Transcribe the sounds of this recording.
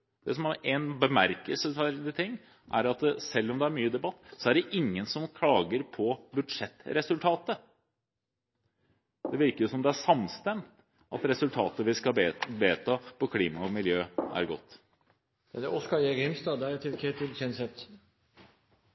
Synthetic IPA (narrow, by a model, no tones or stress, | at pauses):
d̪̥ɛsɔmæɾeɪnbəmæɾkəlsəæɾd̪ət̪ʰɪŋː | ʔæ̰ɾɑt̪sɛlːɔmd̪ɛæɾmyːəd̪ɛbɑt̪ːsɔæɖɛʔɪŋːənsɔmkʰlɑːɡəɾpʰɔbʉd̪ʂɛt̪ːɾɛsʉlt̪ʰɑːt̪ə | d̪ɛʋɪɾkəɾjʊsɔmd̪ɛæʂɑmst̪ɛmt̪ | ʔɑ̰t̪ɾɛsʉlt̪ʰɑːt̪əʋɪskɑebeːt̪ʰɑːpʰɔkʰliːmɑɔmɪljøːæ̰ɾɡɔt̪ː | æd̪ɛʔɔskɑjeɡɪmst̪ɑːd̪ɛt̪ʰɪlkʰeːt̪ɪlçɛnsɛt̪